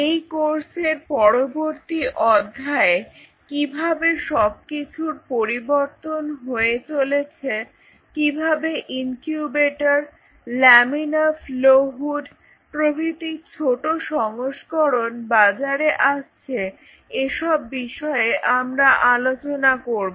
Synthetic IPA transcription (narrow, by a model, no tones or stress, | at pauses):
ejkoɾseɾpɔɾoboɾt̪iʔɔd̪ʱːae | kibʱabeʃɔb̚kit͡ɕʰuɾpoɾiboɾt̪onɦoet͡ɕolet͡ɕʰe | kibʱabeʔiŋkjubeʈaɾ | lɛminafloɦuɖ | pɾobʱit̪ikt͡ɕʰoʈoʃɔŋoʃkɔɾonbad͡ʑaɾeʔaʃt͡ɕʰe | eʃɔbːiʃɔeʔamɾaʔalot͡ɕonakoɾbo